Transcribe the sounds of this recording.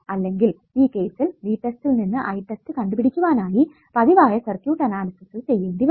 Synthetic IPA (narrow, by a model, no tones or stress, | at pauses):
ɐlːe̞ŋɡil | iːke̞ːsilɖiːʈːestilninːɨʔɐjʈːestɨkɐɳɖupiɽikʲːuʋaːnaːji | pɐðiʋaːjɐsɐrkjuːʈːɐnaːlɐsiksilt͡ɕe̞jːeːɳɖiʋ